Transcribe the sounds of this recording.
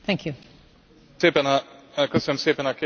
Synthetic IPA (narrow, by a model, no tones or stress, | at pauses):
θæ̃ŋkʰju | seːpɛnakɔsɛmseːpɛnake